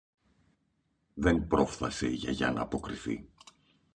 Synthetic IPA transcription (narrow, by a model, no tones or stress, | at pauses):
ðenpɾo̞fθɐseiʝɐʝɐ̰nɐ̰ːpo̞kɾiθḭ